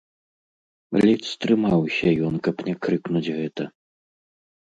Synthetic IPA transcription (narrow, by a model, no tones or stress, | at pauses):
lʲit̪st̪ɾɨmawsʲɐjɔnkɐpnʲɛkɾɨknud͡zʲɣɛt̪ɐ